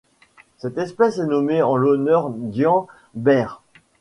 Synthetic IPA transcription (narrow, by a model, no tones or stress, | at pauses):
sɛt̪ɛspɛsɛnɔmeɑ̃lɔnœʁd̪jɑ̃ | bɛʁ